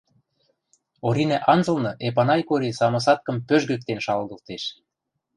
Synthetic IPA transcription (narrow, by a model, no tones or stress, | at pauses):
oɾinæʔɑnzɤ̆lnɤ̆ʔep̬ɑnɑjkoɾisɑmɤ̆s̬ɑt̪̚kɤ̆mpøʒɡø̆k̚t̪enʃɑlɣɤ̆lt̪eʃ